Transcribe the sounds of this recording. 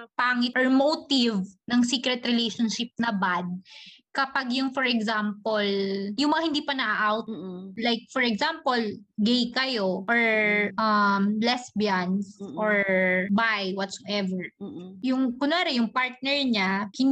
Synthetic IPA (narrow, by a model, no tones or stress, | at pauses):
paːŋɪt̪ʔɔɹmot̪ɪvnɐŋsiːkɾɛt̪ɾɪlejʃonʃɪp̚nɐbad̪̚kɐpaɡjʊŋfɔɹɛɡsampoljʊŋmɐŋahɪnd̪iːpɐnɐʔaʔawt̪̚lajk̚fɔɹɛɡsampolɡɛjkɐjoʔoɹʔɐmlɛsbjansʔoɹbajwɔt̪soʔɛvɛɹjʊŋkʊnaɾɛjʊŋpaɹt̪̚nɛɹɲakɪn